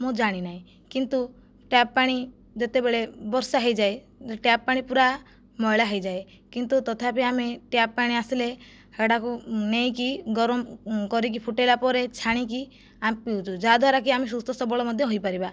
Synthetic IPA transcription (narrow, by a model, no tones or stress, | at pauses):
mõd͡ʒaɽ̃inaɦĩ | kint̪u | ʈjappaɽ̃i | d͡ʒɔt̪ebeɭebɔɾsaɦejd͡ʒae | ʈjappːaɽ̃ipuɾa | mɔjɭaɦejd͡ʒae | kint̪ut̪ɔt̪ʰapeameʈjappaɽ̃iasile | heɽakunejkiɡɔɾɔmkɔɾik̬ipʰuʈelapɔɾet͡ʃʰaɽ̃ik̬i | ampiũt͡ʃʰud͡ʒad̪ʱwaɾak̬iamis̬ust̪ɔsɔbɔɭɔmɔd̪ʱjɔɦojpaɾiba